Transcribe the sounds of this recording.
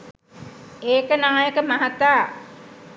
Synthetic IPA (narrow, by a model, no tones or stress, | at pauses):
eːkənaːjəkəmaɦat̪aː